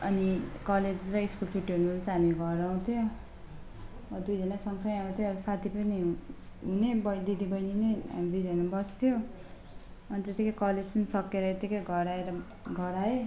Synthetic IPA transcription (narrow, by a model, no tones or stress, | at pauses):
ʌnikʌled͡zrʌiskult͡sʰuʈːounubʌnt͡sʌɦamiɡʱʌɾʌw̃t̪ʰjo | wʌd̪ujd͡zʌnasʌŋsʰʌj̃aut̪ʰjoʌɾusat̪ʰipʌni | ɦunebʌd̪id̪ʱibʌjnineɦa̰mid̪ujd͡zʌnabʌst̪ʰijo | ʌnit̪et̪ikʌjkʌled͡zpʌnisʌkeɾʌet̪ikʌjɡʱʌɾaeɾʌ | ɡʱʌɾae